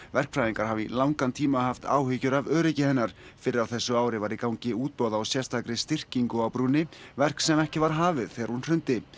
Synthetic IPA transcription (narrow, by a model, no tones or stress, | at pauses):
vɛr̥kfɾajðiŋkaɾ̥havḭlawŋkant̪ʰiːmahaft̪ʰa̰ːwɦʏcʏɾavœːɾɪcɪhɛnːaɾ̥fɪɾɪɾawθɛsːʏaːwɾɪvaːɾikawɲcɪuːt̪̚pɔːwðaːwsjɛr̥st̪ʰaːkɾɪst̪ɪr̥ciŋkʏawpɾuːnɪvɛr̥ksɛmɛhcɪvaɾ̥ɦaːvɪðθɛːɣɾhunr̥ʏnt̪ɪ